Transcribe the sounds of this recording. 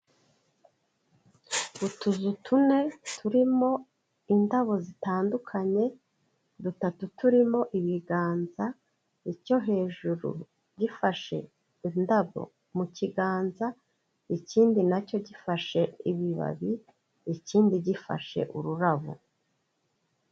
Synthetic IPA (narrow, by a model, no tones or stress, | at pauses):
butuzutʰune̞tʰuɾimo̞ | indaβo̞zitaːndukʰaɲe̞ | dutatutuɾimo̞ʔiβiɡaːnza | ico̞ɦe̞ːʒuɾṵ | ɟifaʃe̞̰ | indaβo̞̰ | muciɡaːnza | iciːndinaco̞ɟifaʃe̞iβiβa̰βi | iciːndiɟifa̰ʃe̞̰ʔuɾuɾaβo̰